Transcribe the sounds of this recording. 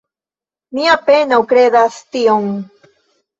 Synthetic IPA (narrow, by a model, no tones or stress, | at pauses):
niapenawkɾed̪ast̪ioŋ